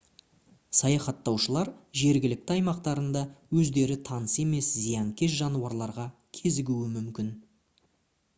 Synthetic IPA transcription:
sɑjɑχɑt̪ːɑwʃəlˠɑɾʒe̞ɾɡʲɪlɪk̚t̪ɪɑjmɑqt̪ɑɾənd̪ɑwɵzd̪e̞ɾɪt̪ʰɑnəse̞me̞szijɑŋkʲʰe̞sʒɑnuwɑɾlˠɑɾʁɑ | kʲʰe̞zɪɡʲuɪmʏmkʲɪn

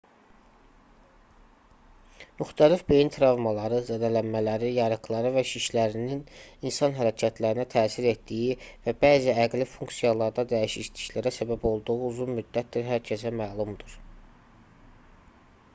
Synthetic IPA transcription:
myxt̪ʰælifbe̞jinit̪ʰɾɑvmɑlˠɑɾɯzæd̪ælænmælæɾijɑɾɯχlˠɑɾɯvæʃiʃlæɾinininsɑnɦæɾæcʰæt̪ʰlæɾinæt̪ʰæːsiɾe̞t̪d̪ijivæbæːziæɡlifuŋksijɑlˠɑɾd̪ɑd̪æjiʃiʃt̪ʰi̥çlæɾæsæbæbo̞lˠd̪uʁuuzunmyd̪ːæt̪d̪iɾɦæɾcʰesæmæːlˠumd̪uɾ̥

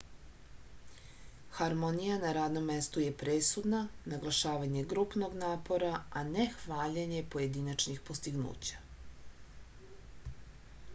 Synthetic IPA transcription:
xaɾmo̞nijanaɾaːd̪no̞mːest̪uje̞pɾesud̪nanaɡlˠaʃaːʋaɲe̞ɡɾupno̞ɡnaːpo̞ɾaanexʋaːʎeɲe̞po̞je̞d̪inat͡ʃnixpost̪iɡnṵːt͡ɕḁ

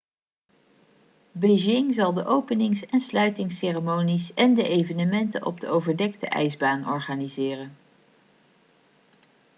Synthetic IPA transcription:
beʒɪŋzɑlˠdəʔowpənɪŋsɛnslœɥtɪŋseːrəmownisɛndəʔejvənəmɛntə̰nɔ̰b̚dəowvəɹdɛk̚tə̰ʔɛ̰jzbaːnɔɹχaːnizɪːrən

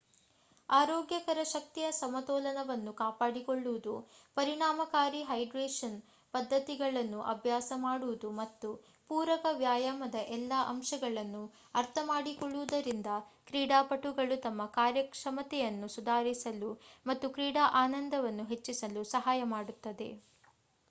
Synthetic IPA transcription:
aːɾoːɡjɐkɐɾɐʃɐk̚t̪ijɐsɐmɐt̪ɔːlɐnɐʋɐnːukaːpaːɽikoɭːuʋud̪upɐɾiɳaːmɐkaːɾiɦɐjɖɾeːʂɐn | pɐd̪ʱːɐt̪iɡɐɭɐnːuʔɐbʱjaːsɐmaːɽuʋud̪umɐt̪ːu | puːɾɐkɐʋjaːjaːmɐd̪ɐʔɛlːaʔɐmʃɐɡɐɭɐnːu | ɐɾt̪ʰɐmaːɽikɔɭːuʋud̪ɐɾind̪ɐkɾiːɽaːpɐʈuɡɐɭut̪ɐmːɐkaːɾjɐkʂɐmɐt̪ɛjɐnːusud̪ʱaːɾisɐlumɐt̪ːukɾiːɽaːʔaːnɐnd̪ɐʋɐnːuɦet͡ʃːisɐlusɐɦaːjɐmaːɽut̪ːɐd̪e̞̰

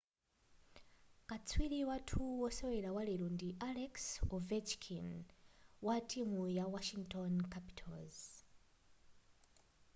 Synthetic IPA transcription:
kʼat͡sʰwiliwatʰuwɔsɔwɛɾawaliɾundiʔalɛksɔvɛt͡ʃkʰin | watʰʼimujawaʃiŋɡtʰɔnkʰapi̥tʰɔlz

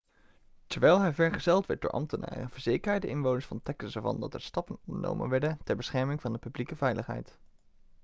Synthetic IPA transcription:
təɹʋɛjlˠɦɛjvɛɹχəz̥ɛlˠtʋɛ̰ɹt̚dʊ̰ːɹʔɑ̰mtəna̰ːrə̰nvəɹzeːjkəɹajdəʔɪnʋownəsfɑntɛkəsəɹvɑ̰ndɑtɛɹstɑpənɔndəno̰wmə̰nʋɛɹdəntɛɹbəsχɛɹmɪŋvɑndəpyblikəvɛjləχɦɛ̰jt

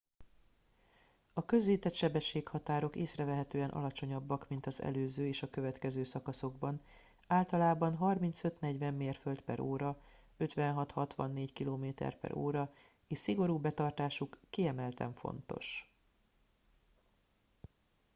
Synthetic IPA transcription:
ɒkø̞zleːt̪ɛt̪ʃɛbɛʃːeːkhɒt̪aːɾokeːsrɛvɛɦɛt̪øːɛnʔɒ̰lɒt͡ʃo̞ɲɒbːɒkmint̪ɒzɛ̰løːzøːeːʃɒkø̞vɛt̪kɛzøːsɒkɒso̞ɡbɒn | aːlt̪ɒlaːbɒnɦɒrmint̪sø̞t̪nɛɟʋɛmːeːrfølt̪pɛ̰ɾoːɾɒ | ø̞t̪ʋɛnɦɒt̪hɒt̪ʋɒ̰nːeːckiloːmeːt̪ɛ̰rpɛ̰ɾo̰ːɾɒ | eːʃsiɡo̞ɾuːbɛt̪ɒrt̪aːʃukːiɛmɛlt̪ɛ̰ɱfo̰nt̪o̞̰ʃ

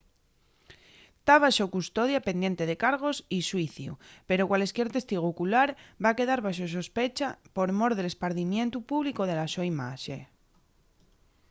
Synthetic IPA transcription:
t̪aβaʃokust̪o̞ðjape̞nd̪je̞nt̪e̞ð̞e̞kaɾɣ̞o̞siswiθjṵpe̞ɾo̞kwale̞skjeɾt̪e̞st̪iɣ̞ukulaɾbake̞ðaɾβaʃ̬os̬ospe̞t͡ʃapo̞ɾmo̞ɾðele̞spaɾðimjent̪upuβlikoð̞e̞laʃoimaʃe

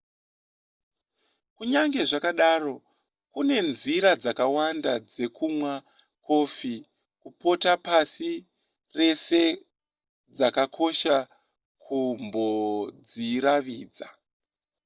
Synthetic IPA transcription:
kuɲaŋɡe̞ʐakaɗaːro̞ | kune̞nziɾad͡zakawandad͡ze̞kumwa | ko̞ːfi | kupo̞tapasi | re̞se̞ | d͡zakakʰo̞ʃa | kʰumbo̞d͡ziɾaʋiːd͡za

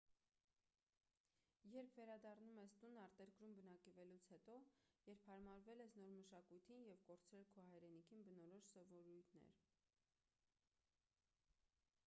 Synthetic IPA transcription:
jɛɾpʰvɛɾɑd̪ɑrnumɛst̪unːɑɾt̪ɛɾkɾumbənɑkɛvɛlut͡sʰhɛt̪ɔjɛɾpʰhɑɾmɑɾvɛlɛsnɔɾməʃɑkujt̪ʰinjɛvkɔɾt͡sʰɾɛlkʰɔhɑjɾɛnikʰinbənɔɾɔʃsɔvɔɾujt̪ʰnɛ̰ɾ

